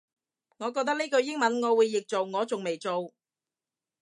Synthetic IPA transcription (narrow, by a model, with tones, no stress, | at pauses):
ŋɔː˨˧kɔː˧k̚t̪ɐ˥k̚ni˥kɵ˧ɥjɪ˥ŋmɐ˨˥nŋɔː˨˧wuː˨˧jːɪ˨k̚t͡so˨wŋɔː˨˧t͡sʊ˨ŋme˨jt͡so˨w